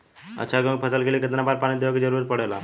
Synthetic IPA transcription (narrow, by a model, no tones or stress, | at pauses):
ə̰tːɕʰaɡək̚pʰəsəlkelikət̪nabaɾpaɽ̃id̪eʋakid͡ʑəɾuɾitpəɽ̤ajla̰